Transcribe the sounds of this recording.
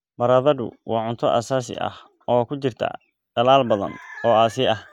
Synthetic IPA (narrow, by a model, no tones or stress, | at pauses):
bɐɾaːðɐðʊ̰wɑːʕʊnt̪ʰɔʔa̰saːsɪ̰ʔɐ̰h | ʔɔːkʰʊt͡ʃɪrt̪ʰɐ̰ | ɖ̥ɐlaːlbɐðɐ̰nɔːaːsɪʔɐh